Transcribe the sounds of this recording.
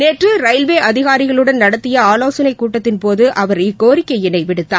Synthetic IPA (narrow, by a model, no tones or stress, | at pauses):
neːʈrɯɾɐɪlʋeːʔɐðɪɣaːɾɪɣɐɭɯɽɐnnɐɽɐt̪ːɪjɐaːloːsɐnɐɪkːuːʈːɐt̪ːɪnpoːðɯʔɐʋɐɾɪkːoːɾɪkːɐɪɪnɐɪʋɪɽɯt̪ːaː